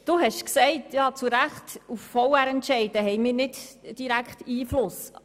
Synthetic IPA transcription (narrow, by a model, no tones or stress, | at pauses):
d̥uɦɛʃksɛɪtʰjɑːt͡suɾæχtufːɔwæɾɛntʃɛɪdəɦɛɪmɪːɾnɪdd̥iɾækχtiːflʊs